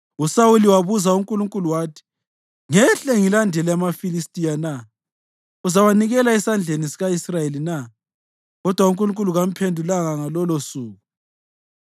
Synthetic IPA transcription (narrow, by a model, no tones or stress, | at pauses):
usawuliwaβuzauŋkʼuluŋkʼuluwaːtʰi̥ | ŋɛɬeŋilandʱɛlɛamafilistʼijana | uzawaniɣɛlaɛsand͡ɮʱenisiɣaisrajelina | ɣɔd̥ʱwauŋkʼuluŋkʼuluɣam̩pʰendʱulaŋaŋalɔlosuːɣu